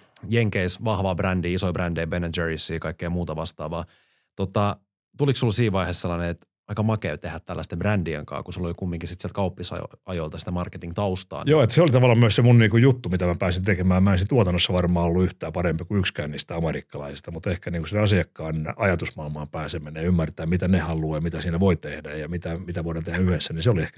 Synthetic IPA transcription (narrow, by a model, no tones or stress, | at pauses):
jeŋkeisʋɑhʋɑbrændiisoibrændeibenæd͡ʒerisːiːkɑikːeimuːt̪ɑʋɑst̪ɑ̰ːʋɑː | t̪ot̪ɑ | t̪uliksulsiːʋʋɑihesselːɑneet̪ | ɑikɑmɑkḛːʋt̪ehæt̪t̪ːælːæ̰st̪ebrændiḛŋkɑ̰ːkusulːolikumːiŋkisit̪siælt̪̚kɑupːisɑ̰jo̰ɑjoilt̪ɑsi̥t̪æmɑrket̪iŋt̪ɑust̪ɑ̰ːjoːet̪ːseolit̪ɑʋɑlːˑɑmyøssemunniːkujjut̪ːumit̪æmæpæːsint̪ekemæːmmæˑensint̪uɑt̪ɑnːosːɑʋɑrmɑːolːuyht̪æːpɑɾempikuykskæːniːst̪æɑmeɾikːɑlɑ̰isist̪ɑmut̪ehkæniːŋkusinɑsiɑkːɑːnɑjɑt̪usmɑːlmɑːmpæːsemːenejɑymːært̪æːmmit̪ænehɑlːˑujɑmit̪æsiːnæʋoit̪ehdæjjɑmit̪æmit̪æʋoiɾɑnt̪ehæyhesːæniseoliehkæ̥